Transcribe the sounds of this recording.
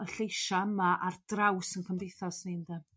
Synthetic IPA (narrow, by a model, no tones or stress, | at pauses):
əɬejʃaəmaʔard̥rawsənkʰəmdejθɔsnendɛ